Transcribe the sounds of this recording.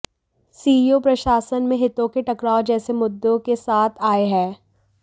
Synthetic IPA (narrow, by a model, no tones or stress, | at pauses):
siːiopɾɐʃaːsənmẽɦɪt̪õkeʈɐkɾaːod͡ʒɛːsemʊd̪ːõkesaːt̪ʰaːeɦɛː